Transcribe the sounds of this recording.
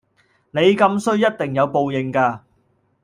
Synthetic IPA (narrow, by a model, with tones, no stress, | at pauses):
ne˨˧jkɐ˧msɵ˥ɥjɐ˥t̚t̪ɪ˨ŋjɐ˨˧wpo˨wjɪ˨˩ŋkaː˧